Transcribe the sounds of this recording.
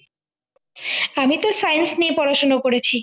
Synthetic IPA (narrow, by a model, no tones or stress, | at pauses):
amit̪osajnsniepɔɾaʃonakoɾet͡ɕʰi